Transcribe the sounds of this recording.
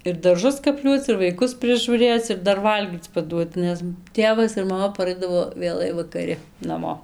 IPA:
ɪr dɐrˈʒʊs kɐpʲˈlʲuɔt͡s ɪr ʋɐɪˈkʊs pʲrʲɪʒuːˈrʲeːt͡s ɪr ˈdɐr ˈʋɐlʲɡʲiːt͡s pɐˈduɔt ˈnʲɛs ˈtʲeːʋɐs ɪr mɐˈmɐ pɐˈrɐɪdɐʋoː ʋʲeːˈlˠɐɪ ʋɐkɐˈrʲɪ nɐˈmoː

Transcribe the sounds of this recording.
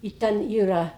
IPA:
ɪ ˈtʲɛn ˈiːrɐ

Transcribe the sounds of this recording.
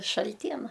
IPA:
ʃɐlʲˈtʲiɛnɐ

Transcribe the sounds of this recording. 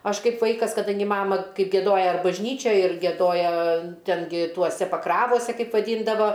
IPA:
ˈɐʃ ˈkɐɪp ˈʋɐɪkɐs kɐˈdɐŋʲɡʲɪ ˈmɑːmɐ ˈkɐɪ ɡʲiɛˈdoːjɛ bɐʒʲˈnʲiːt͡ʃʲoːj ɪr ɡʲiɛˈdoːjɛ ˈtʲɛn ɡʲɪ ˈtuɔsʲɛ pɐˈkrɑːʋoːsʲɛ ˈkɐɪp ʋɐˈdʲiːndɐʋɐ

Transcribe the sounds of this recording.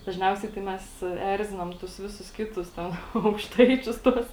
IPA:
dɐʒʲˈnʲɛʊsʲɛɪ tɐɪ ˈmʲɛs ˈɛrʲzʲɪnɐm ˈtʊs ˈʋʲɪsʊs ˈkʲɪtʊs ˈtʲɛn ɐʊkʃˈtɐɪt͡ʃʲʊs ˈtuɔs

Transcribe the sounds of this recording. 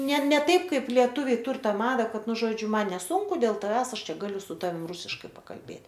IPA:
nʲɛ nʲɛ ˈtɐɪp ˈkɐɪp lʲiɛˈtʊʋʲɛɪ ˈtʊr ˈtɑː ˈmɑːdɐ ˈkɐt ˈnʊ ˈʒoːd͡ʒʲʊ ˈmɐn nʲɛˈsuːŋkʊ dʲeːlˠ tɐˈʋʲæːs ˈɐʃ ˈt͡ʃʲɛ ˈɡɑːlʲʊ sʊ ˈtɑːʋʲɪm ˈrʊsʲɪʃkɐɪ pɐkɐlʲˈbʲeːtʲ

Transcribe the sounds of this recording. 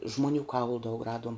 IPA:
ʒmoːˈnʲuː ˈkɐʊlˠʊ dɐʊk ˈrɑːduɔm

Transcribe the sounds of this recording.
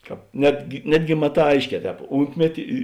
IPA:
ˈkɑːp ˈnʲæːdʲɡʲɪ ˈnʲæːdʲɡʲɪ mɐˈtɑː ˈɐɪʃʲˌkʲɛː ˈtʲɛːp ˈuːnʲtʲmʲɛtʲɪ ɪ

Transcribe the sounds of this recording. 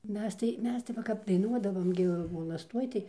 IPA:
ˈmʲɛs tɐɪ ˈmʲɛs tɐɪ ʋɐ kɐp dɐɪˈnuɔdɐʋoːm ɡʲɪ ʋoːlˠɐsˈtuɔj tɐɪ

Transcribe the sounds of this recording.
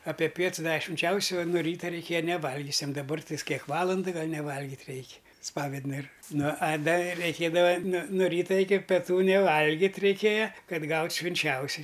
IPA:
ɐpʲɛ ˈpʲiɛts ˈdɑːʋʲɛ ʃʲʋʲɪnʲˈt͡ʃʲɛʊsʲoː oː nʊ ˈrʲiːtɐ rʲɛɪˈkʲeːjɛ nʲɛˈʋɐlʲɡʲʊsʲɛm dɐˈbɐr tɐɪs ˈkʲiɛk ˈʋɑːlˠɐndɨ ˈɡɐlˠ nʲɛˈʋɐlʲɡʲɪtʲ ˈrʲɛɪkʲ ˈspɑːʋʲɛdnɨr ˈnʊ ɐ ˈdɐ rʲɛɪˈkʲeːdɐʋɐ nʊ noː ˈrʲiːtɐ ɪkʲɪ pʲɛˈtuː nʲɛˈʋɐlʲɡʲɪtʲ rʲɛɪˈkʲeːjɛ ˈkɐt ˈɡɐʊtʲ ʃʲʋʲɪnʲˈt͡ʃʲɛʊsʲɪ

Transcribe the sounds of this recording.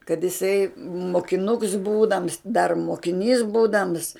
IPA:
kɐt jɪˈsɐɪ moːkʲɪˈnʊks ˈbuːdɐms dɐr moːkʲɪˈnʲiːs ˈbuːdɐms

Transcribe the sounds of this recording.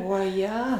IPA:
oːˈjɛ

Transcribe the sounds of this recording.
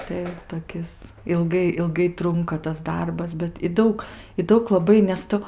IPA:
tɐɪ toːˈkʲɪs ɪlˠˈɡɐɪ ɪlˠˈɡɐɪ ˈtrʊŋkɐ tɐs ˈdɐrbɐs bʲɛt ɪ ˈdɐʊk ɪ ˈdɐʊk lˠɐˈbɐɪ nʲɛs ˈtʊ

